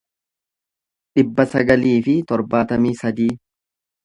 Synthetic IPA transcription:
ᶑɪbːɐsɐɡɐliːfɪt̪ɔɾbaːt̪ɐmiːsɐd̪iː

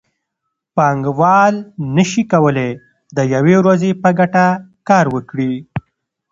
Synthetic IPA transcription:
pɑŋɡwɑlnəʃikawəle | d̪əjawewɾazepəɡaʈakɑɾwəkɽi

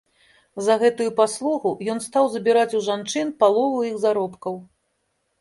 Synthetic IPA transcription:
zɐɣɛt̪ujupaslˠuɣujɔnst̪awzɐbʲiɾat͡sʲuʐant͡ʂɨnpalˠɔvuiɣzaɾɔpkɐw

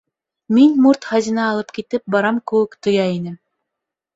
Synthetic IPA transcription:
minmuɾt̪χɑzʲĭnɑːlˠɤpkit̪ɘp̚bɑɾɑmkɘ̆wɘkt̪ŏjɑjinɘ

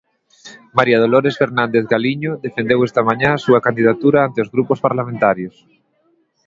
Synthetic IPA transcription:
maɾjað̞oloɾesfeɾnãnd̪eθɡaliɲoðefend̪ewest̪amãɲãsuakand̪iðat̪uɾaant̪eozɣɾupospaɾlamẽnt̪aɾjos

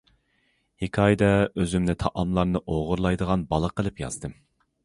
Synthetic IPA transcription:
hikʲʰɑːjd̪ɛøzymnɪt̪ʰɑʔɑmlˠɑɾnɨʔoʁʊɾlˠɑjd̪əʁɑnbɑlˠəqəlˠɨpjɑ̰z̥d̪ɨm

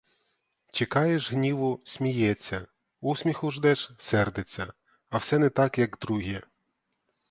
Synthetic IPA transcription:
t͡ʃekɑjeʒɦnʲiʋʊsʲmʲijɛt͡sʲːɐ | usʲmʲixʊʒd̪ɛʒsɛrd̪et͡sʲːɐ | ɐwsɛnɛt̪ɑkjɐɡd̪ɾuɦʲɛ

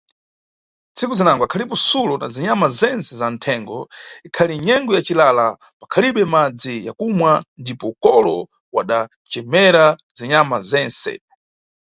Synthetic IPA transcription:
nt͡sʰikuzinaŋɡɔakʰalipɔsulɔna̰ziɲamazɛnsɛzantʰɛŋɡɔikʰaliɲɛŋɡɔjat͡ʃilala | pakʰaliɓɛmad͡zija̰kumwandipɔukɔlɔ | wa̰ɗa | t͡ʃɛmɛɾaziɲamazɛnsɛ̰

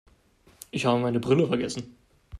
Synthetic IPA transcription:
ʔɪçhaːbəmaɪnəbʁʏləfɛɐɡɛsn̩

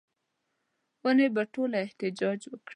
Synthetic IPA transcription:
wənebaʈolaɪht̪ɪd͡ʒɑd͡ʒwəkɽi

